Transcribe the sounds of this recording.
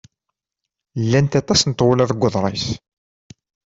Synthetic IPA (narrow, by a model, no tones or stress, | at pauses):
lːænt̪ɑt̪ˤɑsnət̪ˤːʁʊlæðəɡʷːəðˤɾˤes